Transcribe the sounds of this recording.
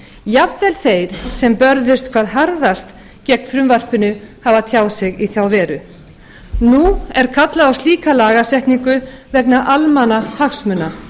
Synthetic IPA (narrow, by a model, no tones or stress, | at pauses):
japvɛlθejɾ̥sɛmpœɾðʏst̪̚kʰv̥aːðɦaɾðast̪ | cɛk̚n̥fɾʏmvar̥pʏnʏhavat̪ʰjaːwðsɪɣiθjawvɛːɾʏ | nuɛɾ̥kʰat̪laðawst̪liːkalaːɣasɛht̪niŋkʏvɛknaʔalmanahaxsmʏna